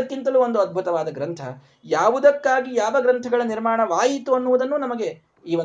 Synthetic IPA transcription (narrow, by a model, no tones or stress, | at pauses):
ɐkːint̪ɐluo̞nd̪uɐd̪̚bʱut̪ɐʋaːd̪ɐɡɾɐnt̪ʰɐ | jaːʋud̪ɐkːaːɡijaːʋɐɡɾɐnt̪ʰɐɡɐɭɐniɾmaːɳɐʋaːjit̪uɐnːuʋud̪ɐnːunɐmɐɡe̞ | iːʋo